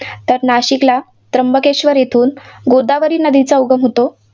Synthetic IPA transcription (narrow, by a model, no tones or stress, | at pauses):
t̪əɾnaɕikla | t̪ɾəmbəkeɕʋəɾjet̪ʰuːnɡod̪aʋəɾiːnəd̪it͡sauɡəmɦot̪o